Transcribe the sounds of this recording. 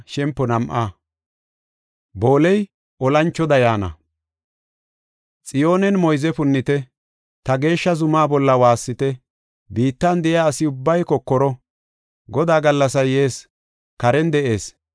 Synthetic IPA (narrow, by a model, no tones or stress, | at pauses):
ʃɛmpːɔnɐmʔaː | bo̞ːlɛj | ʔɔlɐnt͡ʃːɔd̪ɐjaːnɐ̰ | t͡sʼɪjoːnɛnmɔjzɛfʊnːɪt̪ɛ | t̪ɐɡe̞ːʃːɐzʊmaːbɔlːɐwaːsːɪt̪ɛ | biːt̪ːɐnd̪ɛʔɪaːsɪʊbːɐjkɔkːɔɾɔ | ɡɔd̪aːɡɐlːɐsɐjeːs | kɐɾɛnd̪ɛʔe̞ːs